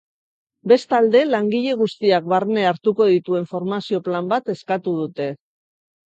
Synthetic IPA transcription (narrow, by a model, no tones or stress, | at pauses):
be̞st̪ald̪e̞laŋɡiʎe̞ɣ̞ust̪iak̚βaɾne̞aɾt̪uko̞ð̞it̪ue̞ɱfo̞ɾmasio̞plambat̪e̞skat̪uð̞ut̪e̞